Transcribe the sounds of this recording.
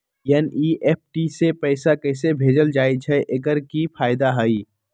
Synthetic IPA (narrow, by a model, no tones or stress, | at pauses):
jɛniʔeːp̚ʈisepɛːsakɛɪsebʱeːd͡ʒəld͡ʒaːit͡ʃʰɛʔeɡəɾkipʰaːjd̪aɦəi